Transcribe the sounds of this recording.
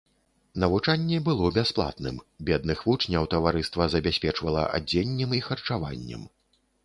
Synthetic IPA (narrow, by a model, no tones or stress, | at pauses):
nɐvut͡ʂanʲːɛbɨlˠɔbʲasplˠa̰t̪nɨ̰mbʲɛd̪̚nɨxvut͡ʂnʲɐwt̪ɐvaɾɨst̪vɐzɐbʲasʲpʲɛt͡ʂvɐlˠɐ̰ʔa̰d͡zʲːenʲːɛmixɐrt͡ʂava̰nʲːɛ̰m